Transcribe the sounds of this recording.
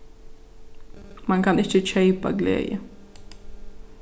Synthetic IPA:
maŋkʰanɪçət͡ʃʰɛɪpa̰ɡlḛːjə̰

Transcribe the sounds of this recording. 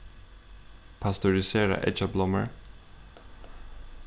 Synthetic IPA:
pʰɑst̪ʊɹɪseːɾə̰ʔɛ̰t͡ʃəblɔmə̰ɹ

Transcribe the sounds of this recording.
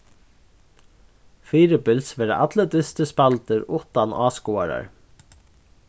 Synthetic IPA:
fiːɾɪpɪlsʋɛːɾaʔat̪lət̪ɪst̪əspalt̪ɪɾʊht̪anaːskuaɾa̰ɹ

